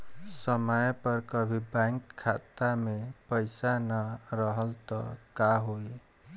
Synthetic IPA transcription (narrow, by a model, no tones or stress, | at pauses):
səməjpəɾkəbʱibaŋkʰːat̪amepəjsanəɾəɦəlt̪ɔ̰kaɦoj